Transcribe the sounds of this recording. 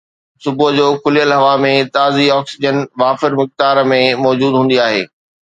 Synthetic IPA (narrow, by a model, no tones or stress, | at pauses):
sʊbʊd͡ʑoːkʰʊlijəlɦɐʋamẽt̪aːziɔːksɪd͡ʑənʋaːfɪɾmʊx̚t̪aːɾmẽmɔːd͡ʑuːd̪ɦũːn̆d̪iaːɦḛː